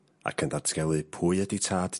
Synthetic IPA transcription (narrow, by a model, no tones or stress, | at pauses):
a̰kʰəndatʰɡ̥ɛlˠɨpʰuɨəditʰaːd̥